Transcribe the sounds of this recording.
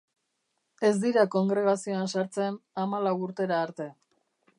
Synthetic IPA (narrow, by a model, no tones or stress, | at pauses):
e̞zd̪iɾako̞ŋɡɾe̞ɣ̞asio̞ansaɾt͡se̞namalawuɾt̪e̞ɾaːɾt̪e̞